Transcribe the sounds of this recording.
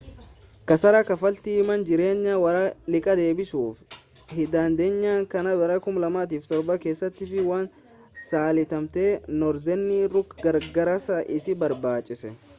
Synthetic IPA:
kɐsɐɾɐkɐfɐlt̪iːmɐnd͡ʒɪɾe̞ːɲːɐwɐɾɐlɪkʼɐd̪e̞ːbɪsuːf | hɪd̪aːnd̪e̞ːɲːaːŋkɐnɐbɛɾɐkʊmlɐmaːt̪̬iːft̪ɔɾbɐke̞ːsːɐt̪ːiːfɪwaːn | saːlɪt̪ɐmt̪e̞ːnɔɾzɛnːiɾʊkɡɐɾɡɐɾɐsɐʔɪsɪbɐɾbaːt͡ʃʼːɪsɛ

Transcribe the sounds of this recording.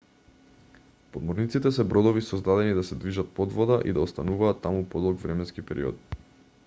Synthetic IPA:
pod̪mɔɾnit̪sit̪ɛsɛbɾɔd̪ɔvisɔzd̪ad̪ɛnid̪asɛd̪viʒat̪̚pɔd̪vɔd̪aʔid̪aɔst̪anuvaːt̪ːamupɔd̪ɔlˠɡvɾɛmɛnskipɛɾʔḭɔ̰t̪̚

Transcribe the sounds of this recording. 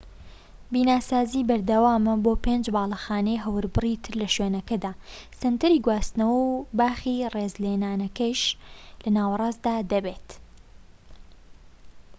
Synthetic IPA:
biːnaːsaːzibɐɾd̪ɐwaːmɐboːpeːnd͡ʒbaːlˠɐxaːnejɦɐwɾbɨrit̪ʰɨɾlɐʃweːnɐkɐd̪aːsɐnt̪ɐɾiːɡwaːst̪nɐwɐwbaːxireːzleːnaːnɐkɐʃlɐnaːwɐrˤɑːzd̪aːd̪ɐbeːt̪

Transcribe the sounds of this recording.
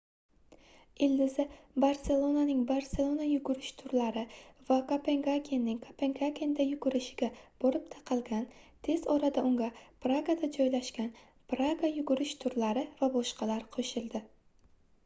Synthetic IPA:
ɪld̪ɪzɪbaɾse̞lˠonanɪŋbaɾse̞lˠonajʊɡʊɾɪʃt̪ʰʊɾlaɾɪvakopʰe̞ŋɡakʲʰenːɪŋkʰopʰeŋɡakʲend̪ajʊɡʊɾɪʃɪɡʲab̥oɾɪp̚t̪ʰɑqʰɨlˠɡʲant̪ʰe̞zɒɾad̪aʊŋɡʲapɾaɡad̪ad͡ʒɒjlaʃkʲan | pɾaɡajʊɡʊɾɪʃt̪ʰʊɾlaɾɪvabɒʃqɑlaɾqʰoʃɪlˠd̪ɪ

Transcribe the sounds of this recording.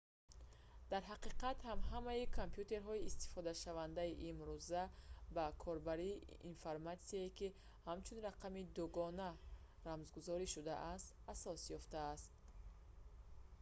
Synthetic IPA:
d̪̥aɾɦaqiqat̪hamɦamaikʰompjut̪e̞ɾɦɔiːst̪i̥fɔd̪aʃavand̪aiʔimɾuzabakʰɔɾbaɾiː | infaɾmat̪siaiki | hamt͡ʃʰunraqʰamid̪uɡɔna | ɾamzɡuzɔɾiʃud̪aʔast̪asɔsjɔft̪aːst̪̚

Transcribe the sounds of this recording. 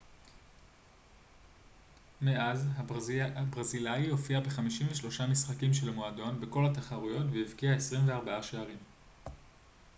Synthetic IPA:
meazabʁazilajio̞fiabeχamiʃimɱveʃlo̞ʃamisχakimʃelmoado̞nbeko̞lataχaʁujotveivkiaesʁimveaʁbaaʃeaʁim

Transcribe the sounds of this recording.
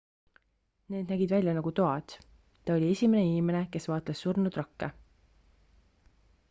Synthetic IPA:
ne̞ːd̪næɡid̪vælʲjɑnɑɡ̥ut̪oɑt̪ | t̪ɑo̞lʲie̞sʲime̞ne̞inime̞ne̞ke̞svɑːt̪ˑlesːurnud̪rɑkːe

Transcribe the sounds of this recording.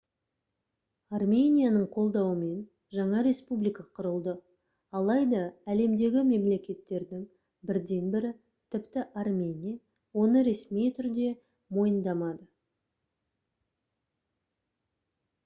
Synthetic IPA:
armʲe̞nʲijanəɴqʰo̞lˠd̪ɑwəme̞n | ʒɑɴɑɾe̞spublijkɑqʰʊɾəlˠd̪ə | ɑlˠɑjd̪ɑæle̞md̪e̞ɡʲɪme̞mle̞kʲe̞t̪ːe̞ɾd̪ɪŋ | bɪɾd̪e̞nbɪɾɪ | t̪ʰɪpt̪ɪʔarmʲenʲija | wo̞nəɾe̞smijt̪ʰʏɾd̪e̞ | mo̞jənd̪ɑmɑd̪ə

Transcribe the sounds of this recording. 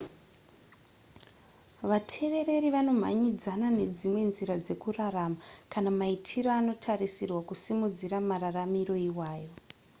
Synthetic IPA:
ʋatʰe̞ʋe̞ɾe̞ɾiʋano̞m̤a̰ɲid͡zanane̞d͡zimwe̞nziɾad͡ze̞kuraramakanamaitʰiro̞ano̞tʰarisirwakusimud͡ziɾamararamiro̞iwaːjo̞

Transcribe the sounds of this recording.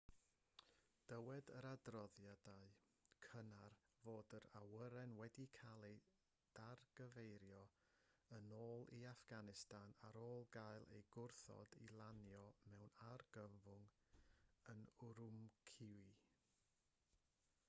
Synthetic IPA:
d̥əwɛdəɾadrɔðjadaɨ | kʰənar | voːdəɾawəɾɛnwɛdikʰalˠi | d̥arɡ̥əvejɾjɔ | ənoːlˠiafɡ̥anɪstanaɾoːlˠɡaɨlˠḛjɡʊrθɔ̰dilˠanjɔmɛwnarɡ̥əmvʊŋ | ənʊɾʊmkʰɪwi

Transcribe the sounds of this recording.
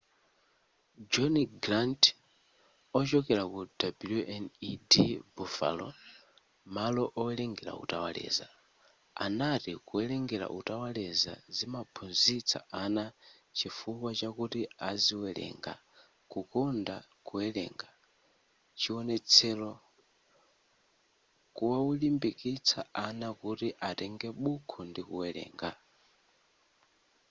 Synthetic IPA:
d͡ʒɔniɡɾant | ɔt͡ʃɔkɛɾakud̥abiluɛnidibufa̰lɔ | malɔʔɔwɛlɛŋɡɛɾa̰ṵtawalɛ̰ːza | a̰natikuɛlɛŋɡɛɾa̰ʔutawalɛza̰zimapʰunzit͡sʰa̰ʔana | t͡ʃifukwat͡ʃakutiaziwɛlɛ̰ŋɡa̰ | kukɔndakuɛlɛ̰ŋɡa | t͡ʃiɔnɛt͡sʰɛlɔ | kuwawulimbikit͡sʰa̰ʔanakutiʔatɛŋɡɛɓukʰɔndikuwɛlɛ̰ːŋɡa̰

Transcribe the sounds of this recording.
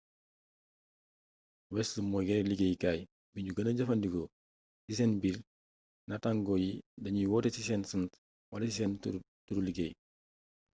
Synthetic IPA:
wɛsləmɔɡɛɾeliɡejkaj | biɲɟuɡɐnɐɟɐfɐndiko | sisɛnbiɾ | nɐtaŋɡɔjidɐɲiwɔtesisɛnsənt | walsisɛn | tuɾuliɡej

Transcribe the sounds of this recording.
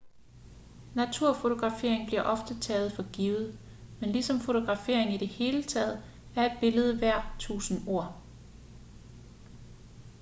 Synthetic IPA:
næt͡sʰuɐ̰fo̝t͡sʰo̝ɡ̥ʁɑ̈fe̝̰ɐ̰eŋb̥liɐʔɒ̽fd̥ət͡sʰɛ̰ːð̞̩ˠfɒ̽ɡ̥iʊð̩ˠ | menlisɒ̽mfo̝t͡sʰo̝ɡ̥ʁɑ̈fe̝̰ɐ̰e̝ŋiɾ̥e̝he̝ːlət͡sʰɛ̰ːð̞̩ˠ | æɐe̝d̥̚b̥e̝ləð̞̩ˠʋæɐ̰t͡sʰṵːsn̩o̝ɐ̰

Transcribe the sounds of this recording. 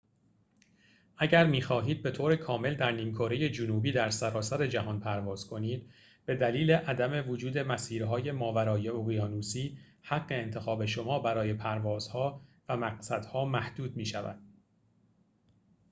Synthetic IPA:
ʔæɟæɾmiːxɒːɦiːd̪̚be̞t̪ʰoːɾekʰɒːme̞ld̪æɾniːmkʰoːɾe̞je̞d͡ʒonuːbiːd̪æɾsæɾɒːsæɾe̞d͡ʒæɦɒnpʰæɾvɒːz̥kʰo̞niːd̪̥ | b̥e̞d̪æliːle̞ʔæd̪æme̞vod͡ʒuːd̪e̞mæsiːɾɦɒːje̞mɒːvæɾɒːjeoɣijɒːnuːsiː | hæɢːe̞ːnt̪ʰe̞xɒːbe̞ʃo̞mɒːbæɾɒːje̞pʰæɾvɒːz̥hɒːvæmæqsæd̪̥hɒːmæhd̪̥uːd̪̚miːʃævæ̰d̪̥

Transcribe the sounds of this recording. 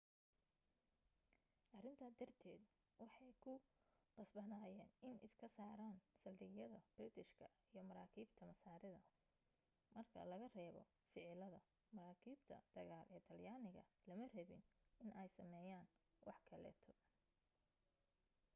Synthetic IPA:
ʔɐrɪnt̪ʰɐd̪ɐrt̪ʰɛːd̪ | wɑħɑjkʰʊqɑsbɐnaːjɛːnɪnɪskʰɐsaːɾaːnsɐldɪɣjɐðɐb̥rɪt̪ʰɪʃkʰɐijɞmɐɾaːkʰiːbt̪ʰɐmɐsaːɾɪðɐ | mɐrkʰɐ̰lɐɣɐrɛːβɔ̰ | fɪʕlɐðɐ | mɐɾaːkʰiːbt̪ʰɐ̰d̪̥ɐɣaːlʔɛːt̪ʰɐljaːnɪɣɐ̰lɐmɐrɛβɪnɪnʔɛjsɐmɛːjaːnwɑħkʰɐlɛ̰ːt̪ʰɔ

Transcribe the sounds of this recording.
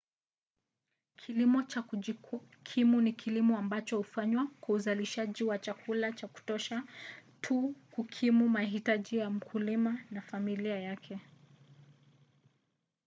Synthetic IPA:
kʰilimɔt͡ʃa | kʰimunikʰilimɔambat͡ʃɔhufaɲwakwauzaliʃaʄiwat͡ʃakulat͡ʃaku̥tɔʃatʰukukʰimumaɦitaʄijam̩kʰulimanafamiliajakʰɛ

